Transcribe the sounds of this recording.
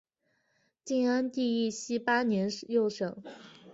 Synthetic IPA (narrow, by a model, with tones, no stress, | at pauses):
t͡ɕi˥˩na˥nt̪i˥˧i˥˩ɕi˥pa˥njɛ˧˥njo˥˩ʊʂɤ˨˩˦